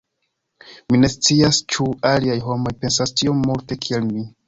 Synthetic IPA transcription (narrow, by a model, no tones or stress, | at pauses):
mine̞st͡siast͡ʃualiajɦo̞mo̞jpe̞nsastio̞mːulte̞kʰie̞lmi